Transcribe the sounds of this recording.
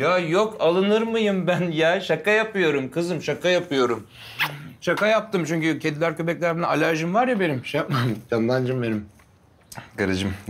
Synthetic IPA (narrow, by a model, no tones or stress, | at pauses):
jaːjokʰalˠɯnɯɾmɯjɯmbænjaːʃakajapɯjo̞ɾumkʰɯzɯmʃakajapʰɯjo̞ɾum | ʃakajap̚t̪ɯmt͡ʃʰyɲcycʰend̪ilʲæɾcʰøbɛclʲæɾbnalʲaɾʒɯmvaɾjabe̞nimʃejap̚maɯjand̪ˠand͡ʒɯmbenim | kaɾɯd͡ʒɯm